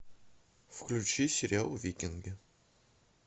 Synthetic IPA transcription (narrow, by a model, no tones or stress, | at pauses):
fklut͡ʃisɾæwvikːənɡ